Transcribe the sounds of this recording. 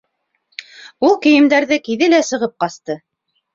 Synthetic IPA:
ulˠkɘ̆jɘ̆md̪æɾðɘkiðɘlæsɤ̆ʁɤp̚qɑst̪ɤ

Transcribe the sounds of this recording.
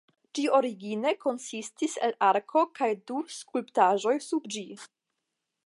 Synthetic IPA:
d͡ʒio̞ɾiɡine̞ko̞nsistisḛlaɾkʰo̞kajduskulptaʒo̞jsubd͡ʒi

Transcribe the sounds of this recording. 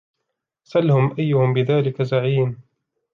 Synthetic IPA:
salhʊmʔajːʊhʊmbɪðaːlɪkazaʕiːn

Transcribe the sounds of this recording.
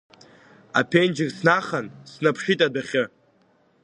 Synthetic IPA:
a̰pʰend͡ʒɪrʲsnaχansnapʰʂitʼadaχʲɪ

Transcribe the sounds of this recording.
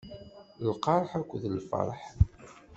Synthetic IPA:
lqɑɾˤħækʷːðlfɑ̰ɾˤħ

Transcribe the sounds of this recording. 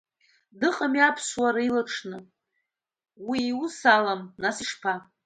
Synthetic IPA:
dɨqʼamiapʰswaɾilaʈ͡ʂʰnɨ | wiːusalamnasiʂpʰa

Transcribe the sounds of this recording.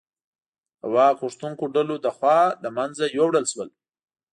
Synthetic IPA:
a̰wakʊʂt̪uŋkoɖalod̪əxwɑlamanzajowɽəlʃwəl

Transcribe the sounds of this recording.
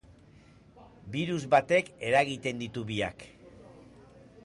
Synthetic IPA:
biɾuzβat̪e̞ke̞ɾaɣit̪e̞nd̪it̪uβia̰k

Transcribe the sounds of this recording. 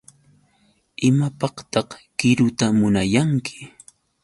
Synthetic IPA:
ɪmapɑqt̪ɑqkɪɾʊt̪amʊnajaŋkʰɪ̥

